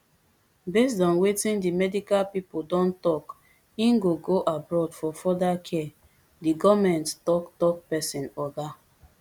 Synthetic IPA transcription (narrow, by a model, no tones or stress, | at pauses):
bes̬dɔ̃nwetĩndimɛdikalpipoldɔ̃ntɔk | ĩnɡoɡoʔabɹɔdfɔfɔdakʰɛ | diɡɔvmɛ̃nttɔktɔk̚pɛsĩnɔda